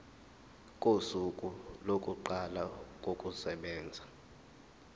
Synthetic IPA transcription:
kʼusukʼulokʼuǃalak̬ʼokʼusɛɓɛːnd͡zʱa

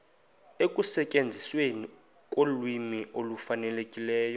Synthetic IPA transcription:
ekʼusɛcʼend͡zʱisweni | kʼolwimiʔolufanɛlekʼilɛːjɔ

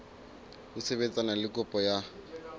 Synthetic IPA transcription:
ʊseβet͡sʼanalɪkʼʊpʼɔja

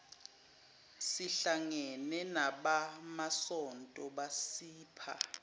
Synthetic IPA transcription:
siɬaŋɛnɛnaɓamasɔntʼɔɓasiːpʰa̰

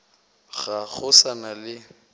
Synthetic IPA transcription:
ɣaɣʊsanalɪ

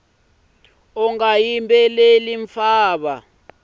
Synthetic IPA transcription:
ɔŋajimbʱʼɛleliɱfaːɓa

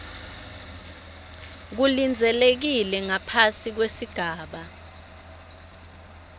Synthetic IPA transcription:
k̬ulind͡zʱɛlek̬ilɛŋapʰasik̬wesiɡ̥ʱaːɓa

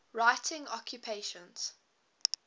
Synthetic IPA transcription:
ɹaɪtʰɪ̃ŋɔ̰kʰjupʰeɪʃə̃nz̥

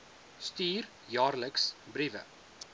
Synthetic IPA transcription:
stiːr | jɑːrləksbɾivə̰

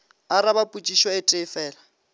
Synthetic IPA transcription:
aɾabapʼut͡ʃʼiʃwaɪtʼɪfɛːla

